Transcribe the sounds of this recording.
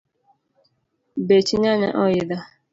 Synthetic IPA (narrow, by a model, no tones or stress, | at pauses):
bet͡ʃiɲanɛ̰ʔɔjɪda